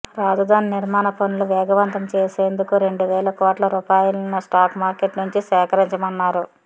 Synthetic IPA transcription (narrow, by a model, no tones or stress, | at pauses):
ɾaːd͡ʒɐd̪aːniniɾmaːnɐponːuluʋɛːɡɐʋɐnt̪ɐmt͡ʃeːseːnd̪ukuɾe̞ɳɖuʋɛːlɐkoːʈlɐɾuːpaːjulɐnɐsʈaːkmaːɾkeʈnuɲt͡ʃisɛːkɐɾiɲt͡ʃɐmɐnːaːɾu